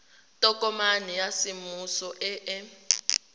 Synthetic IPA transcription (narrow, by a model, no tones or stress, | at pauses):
tʼɔk̬ʼɔmanijasimusɔʔɛʔɛ